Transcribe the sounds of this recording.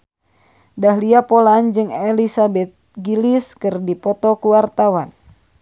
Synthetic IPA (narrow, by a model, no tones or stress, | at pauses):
daɦliapoland͡ʒɨŋɛlisabɛt̪̚ɡiliskɨrdipɔt̪ɔkuwart̪awan